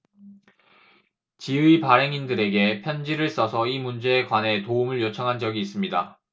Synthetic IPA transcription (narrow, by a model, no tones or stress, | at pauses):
t͡ɕiipaɾe̞ŋindɯɾe̞ɡe̞pʰjʌnd͡ʑiɾɯɭs͈ʌsʰʌimund͡ʑe̞ːkwane̞toumɯɭjot͡ɕʰʌŋɦand͡ʑʌɡiːs͈ɯmɲida̰